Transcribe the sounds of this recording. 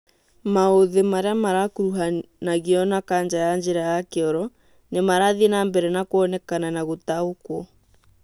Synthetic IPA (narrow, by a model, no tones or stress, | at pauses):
maoðemaɾeamaɾakuɾuɦanaɣeɔnakand͡ʒajand͡ʒeɾajakeɔɾɔ | nemaɾaðinambɛɾɛnakoɔnɛkananaɣotaokwɔ